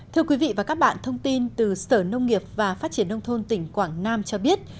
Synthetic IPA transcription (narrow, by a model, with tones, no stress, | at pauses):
t̪ʰi˧əkwi˨˦vḭ˧˨vaː˨˩kaː˦˥k̚ɓa̰ː˧˨nt̪ʰə˧wŋ͡mt̪i˧nt̪ɨ˨˩səː˧˩nə˧wŋ͡mŋi˨˩əp̚vaː˨˩faː˦˥t̚t͡ɕi˧˩ənːə˧wŋ͡mt̪ʰo˧nt̪ï˧˩ŋ̟kwaː˧˩ŋnaː˧mt͡ɕɔ˧ɓi˦˥ət̚